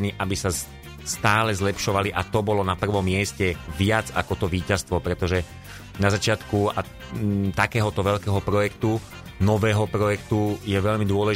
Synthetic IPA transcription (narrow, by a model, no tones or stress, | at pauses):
niʔabisa | st̪aːlɛzlɛpʃɔʋaliʔat̪ɔbɔlɔnapr̩ʋɔmːɪɛscɛʋɪad͡za̰kɔt̪ɔʋiːcast̪ʋɔpɾɛt̪ɔʒɛ | nazat͡ʃɪat̪kua | t̪akɛːɦɔt̪ɔʋɛʎkɛːɦɔpɾɔjɛkt̪u | nɔʋɛːɦɔpɾɔjɛkt̪ujɛʋɛʎmid̪ʊɔlɛ